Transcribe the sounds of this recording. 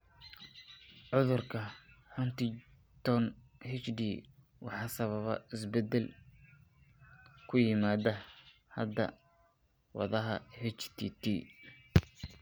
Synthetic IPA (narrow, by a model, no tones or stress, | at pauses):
ʕʊðʊrkʰɐħʊnt̪ɪ | t̪ʰɔn | hɛt͡ʃdiː | wɑ̰ħɑːsɐβɐβɐ̰ɪsbɛd̪ɛl | kʰʊjɪmaːd̪ɐ | hɐd̪ɐ̰ | wɑ̰ðɐɦɐ̰hɛt͡ʃt̪ʰit̪ʰi